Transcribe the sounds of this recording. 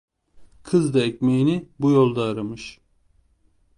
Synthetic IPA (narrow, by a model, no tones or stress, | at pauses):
kʰɯzd̪aecʲmejinibujolˠd̪aːɾamɯʃ